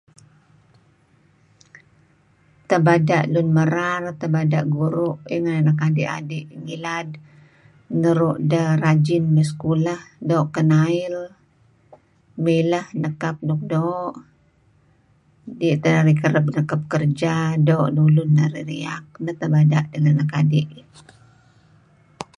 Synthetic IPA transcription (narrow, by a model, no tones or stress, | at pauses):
t̪əbadaʔlʊnməɾart̪əbadaʔɡuɾʊʔiŋannakadiʔa̰diʔŋilad | ŋəɾuʔdərad͡ʒɪnməskulahdoːʔkənail | miləhnəkap̚nuk̚doːʔ | diʔt̪ənaɾikəɾəbnəkap̚kərd͡ʒadoːʔnulʊnːaɾiɾiak̚nət̪əbadaʔdəŋanakadiʔ